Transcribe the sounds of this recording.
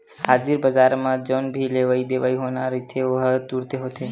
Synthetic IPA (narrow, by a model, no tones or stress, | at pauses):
haːd͡ʒiɾbəd͡ʒaɾmãd͡ʒənbʱileʋaid̪eʋaːiɦoːnaɾit̪ʰeoɦt̪uɾt̪eɦot̪ʰe